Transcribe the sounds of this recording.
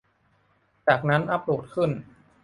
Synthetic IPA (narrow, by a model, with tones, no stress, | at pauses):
t͡ɕaː˨˩k̚na˦˥nʔa˧˩p̚ɾu˨˩t̪̚kʰɯ˥˩n